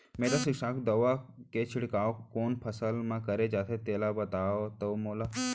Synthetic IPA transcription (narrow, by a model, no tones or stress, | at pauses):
meːɾasikʃakʰd̪əʋaket͡ʃʰiɽkaːokoːnpʰəsəlmãkəɾed͡ʒaːt̪ʰet̪eːlabət̪aot̪əmoːla